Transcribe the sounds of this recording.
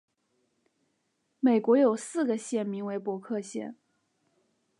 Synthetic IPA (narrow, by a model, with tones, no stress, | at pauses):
me˨˩ɪkwɔ˧˥jo˨˩ʊsɹ̩˥˩ɡə˩ɕjɛ˥˩nmi˧˥ŋwe˧˥ɪpwɔ˧˥kʰɤ˥˧ɕjɛ̰˥˩n